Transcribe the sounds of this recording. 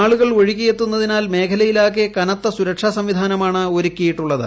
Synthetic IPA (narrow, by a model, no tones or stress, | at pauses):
aːɭuɣɐɭʋoɻikʲːijet̪ːunːɐðinaːlme̞ːkʰɐlɐjilaːk̬iɐkɐnɐt̪ːɐsuɾɐkʂasɐmʋid̪ʱaːnɐmaːɳɨo̞ɾukʲːijiʈːuɭːɐðɨ̰